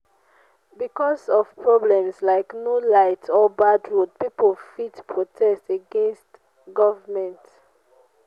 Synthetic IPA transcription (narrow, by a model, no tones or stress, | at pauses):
bikɔsɔv̥pʰɹɔblɛ̃mslaɪknulaɪtʰɔbadɹud̚pipəlfitpʰɹɔtʰɛsteɡɛ̃nst | ɡɔvəmɛ̃nt